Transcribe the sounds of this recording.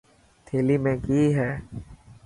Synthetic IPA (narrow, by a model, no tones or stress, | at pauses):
t̪ʰeːlimẽkiːɦɛː